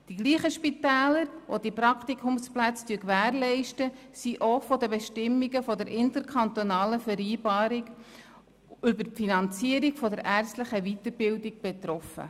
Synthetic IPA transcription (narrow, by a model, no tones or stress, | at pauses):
d̥iɡliːχəʃpit̪æːləɾo̰d̥ipɾɑkt̪ikʰʊmsplæt͡styəkʋæːrlɛɪʃtəsiʔofɔd̪əbɛʃtɪmːiɡəfɔdɛɾʔɪnt̪əɾkʰɑnt̪onɑːləfɛɾiːbɑːɾiɡ | ʏbəɾfinɑnt͡siəɾikfɔdəɾʔæɾstləχəʋit̪əɾbɪldiɡ̚b̥ɛt̪ɾɔfə̰